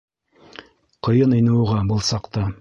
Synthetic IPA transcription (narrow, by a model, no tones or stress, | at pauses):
qɤ̆jɤnɤ̆jnɤ̆wʁɑbɤ̆lˠsɑqt̪ɑ